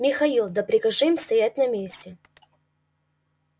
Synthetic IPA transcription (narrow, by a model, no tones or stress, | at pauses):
mʲɪxɐilˠd̪ɐpɾʲɪkɐʐɨmst̪ɐjatʲnɐmʲesʲtʲɪ